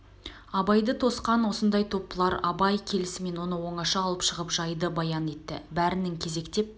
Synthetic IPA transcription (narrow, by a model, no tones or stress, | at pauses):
ɑbɑjd̪ət̪ʰo̞sqɑnwo̞sənd̪ɑjt̪ʰo̞pːəlˠɑɾɑbɑjkʲʰe̞lɪsɪme̞nwo̞nəwo̞ɴɑʃɑɑlˠəpʃəʁəpʒɑjd̪əbɑjɑne̞t̪ːɪ̰bæɾɪnɪŋkʲʰe̞ze̞kt̪e̞p̚